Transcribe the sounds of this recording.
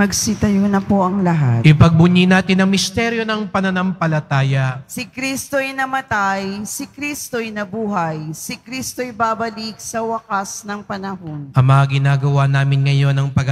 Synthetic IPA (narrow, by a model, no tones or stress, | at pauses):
ɐɡsɪt̪ɐjonɐpoʔɐŋlɐɦat̪ɪpɐɡ̚bʊɲinaːt̪ɪnɐŋmɪst̪ɛɾjo̞nɐŋpɐnɐnɐmpɐlɐt̪aːjɐʔsɪkɾist̪oɐjnɐmɐt̪ajsɪkɾist̪ojnɐbuːɦɐjsɪkɾist̪ojbaːbɐlik̚sɐwɐkasnɐŋpɐnɐɦo̞nʔɐmɐɐɡɪnaːɡɐwanaːmɪnŋɐjo̞nɐŋpɐɡ